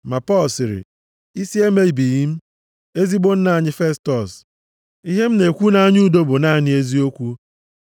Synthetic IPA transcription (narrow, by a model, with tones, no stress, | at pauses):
ma˨pɔ˦lsɪ˨ɾɪ̰˨ | i˦si˦e˦me˦i˨bi˨ji˦m̩˦ | e˦zi˦ɡ͡bo˦n̩˦na˦˨a˨ɲɪ˦fe˦stɔ˨s | i˦ɦe˦m̩˦ne˨kʷu˦na˦ɲu˦do˦bʊ˨na˦˨ɲɪ˦e˦zi˦o˦kʷu˦